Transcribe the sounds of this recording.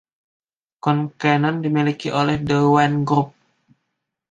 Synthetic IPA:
kɔnkɛnɔndimilikiʔolɛhdəwanɡɾup̚

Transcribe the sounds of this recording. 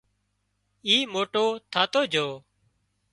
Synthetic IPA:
iːmoːʈoːt̪ʰaːt̪oːd͡ʒʱoː

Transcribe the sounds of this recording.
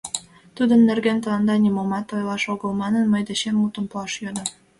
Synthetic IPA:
t̪ud̪ə̆nːerɡent̪əlɑnd̪ɑnimomɑt̪ojlɑʃoɣəlmɑnənməjd̪eɕemːut̪ə̆mpɑʃjød̪ə̆

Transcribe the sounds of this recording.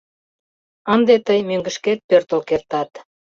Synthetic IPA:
ənd̪et̪əjmøŋɡəʃket̪̚pørt̪əlkert̪ɑt̪

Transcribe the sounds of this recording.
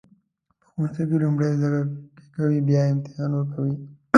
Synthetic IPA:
pə̥xonsekelumɽezaɾaɾke̥kawibjɑeɪmt̪ɪhɑnwəɾkawi

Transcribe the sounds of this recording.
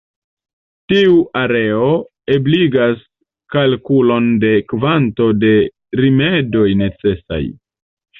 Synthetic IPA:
tiuʔaɾe̞o̞ | ebliɡas | kalkulo̞nde̞kvanto̞de̞ | ɾime̞do̞jne̞t͡se̞sa̰j

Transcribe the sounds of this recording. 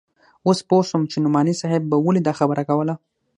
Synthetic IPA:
osposʊmt͡ʃenʊmɑnisɑɦɪbːawəlid̪ɑxabəɾʔakawəla

